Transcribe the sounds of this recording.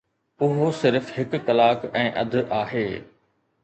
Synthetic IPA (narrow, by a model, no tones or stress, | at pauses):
ʊɦosɪɾfɦɪkːɐlaːkɛ̃ːʔɐ̰d̪ʱaːɦeː